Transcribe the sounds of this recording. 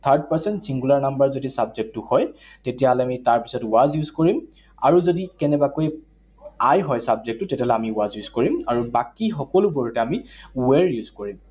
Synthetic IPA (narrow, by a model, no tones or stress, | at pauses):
t̪ʰaɹd̚paɹsɛntsiŋɡulaɹnambəɹzodisabzek̚tuhɔj | tetijalɛamitaɹpi̥sɔtʊwazjuzkoɹim | a̰ɹuzodikɛnɛbakoj | ajɦɔjsabzek̚tutetialɛjamiuwazjuzkoɹimaɹubakixɔkɔluboɹutɛamiwɛɹjuzkoɹim